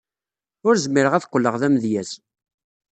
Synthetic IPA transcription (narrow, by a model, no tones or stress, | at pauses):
ʊɾzəmːiɾəʁæθqʷːəlːəʁðæmðjæs